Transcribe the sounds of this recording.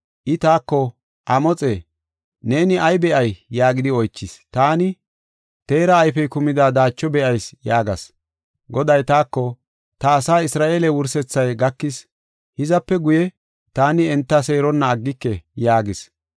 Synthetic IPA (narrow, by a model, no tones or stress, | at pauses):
ʔɪt̪aːkːɔ | ʔɐmɔt͡sʼeː | ne̞ːnɪʔɐjbɛʔɐjːaːɡɪd̪ɪɔjt͡ʃːɪst̪aːnɪ | t̪e̞ːɾɐːjfɛjkʊmɪd̪aːd̪aːt͡ʃːɔbɛʔɐjsjaːɡɐs | ɡɔd̪ɐjt̪aːkːɔ | t̪ɐːsaːɪsɾaːʔeːlɛwʊɾsɛt͡sːɐjɡɐkːɪs | hɪzɐpːɛɡʊjɛ | t̪aːnɪɛnt̪ːɐse̞ːɾɔnːɐːɡːɪkːɛjaːɡɪs